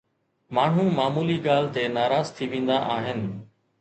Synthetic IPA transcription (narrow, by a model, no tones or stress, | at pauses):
maːɳ̤ũmaːmuːliɡaːl̤t̪enaːɾaːzt̪ʰiʋẽːn̆d̪aʔaːɦɪnɪ̆